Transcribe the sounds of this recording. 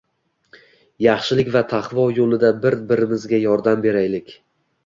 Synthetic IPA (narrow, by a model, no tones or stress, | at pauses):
jɑχʃɪlɪkʲvat̪ʰaχvɒjolˠɪd̪abɪɾbɪɾɪmɪzɡʲajɒɾd̪ambe̞ɾajlɪkʲ